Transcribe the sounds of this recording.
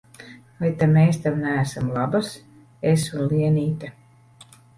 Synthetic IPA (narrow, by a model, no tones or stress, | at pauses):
vajt̪ameːst̪awnæːsamlˠabas | esunliɛniːt̪a